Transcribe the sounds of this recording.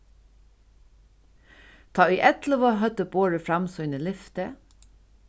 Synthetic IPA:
t̪ʰɑːʏjʔɛt̪ləʋɔɦœt̪əboːɹəfɹamsɔjnəlɪft̪ə

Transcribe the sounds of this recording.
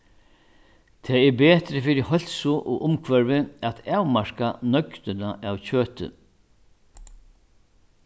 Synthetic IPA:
t̪ʰɛːɛɾbeːt̪ɾɪfiɾɪhɔl̥sʊʔɔʔʊmkʰvɛɹvɪat̪aːwmaɹ̥kanœkt̪ʏnaʔawcøːt̪ʏ̰

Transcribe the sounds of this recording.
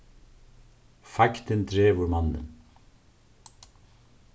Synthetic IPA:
fɑkt̪ənt̪ʰɾeːʋʊɾmɑnə̰n

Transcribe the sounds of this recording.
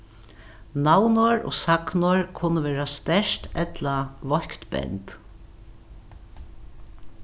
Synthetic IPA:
nawnoɹo̰ːsaknʊɹkʰʊnːəʋeːɹast̪ɛʂt̪ɛt̪laʋɔhkt̪bɛ̰nt̪

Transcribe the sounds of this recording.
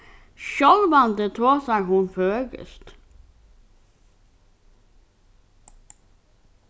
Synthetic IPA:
ʃɔlʋɑnd̪ət̪ʰoːsæɪhʊnføɡə̰st̪

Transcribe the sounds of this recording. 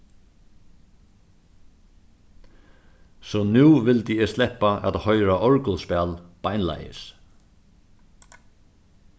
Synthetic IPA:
sɔnuːʋɪlt̪iɛst̪lɛhpːaʔæ̰ðhœʏɾaʔɔɹkʊlspɛlpajnla̰jɪ̰s

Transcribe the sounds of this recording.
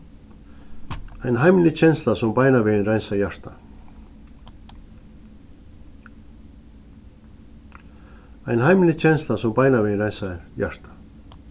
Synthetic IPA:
ajnɦajmlɪt͡ɕʰɛnslasɔmpajnaʋɪnɾajnsajaɾ̥t̪a | ajnhajmɪnlɪt͡ɕʰɛnslasɔmpajnaʋɪnɾaj̪sajaɾ̥t̪ḁ

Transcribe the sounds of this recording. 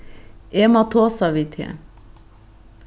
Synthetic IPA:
emɑt̪ʰoːsɑʋɪt̪ʰḛ

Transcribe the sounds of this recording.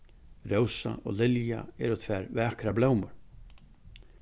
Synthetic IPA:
rowsa̰ʔɔ̰ɣlɪlja̰ɛɾʊt̪ʰvɛɾvɛakɾablowmʏɾ

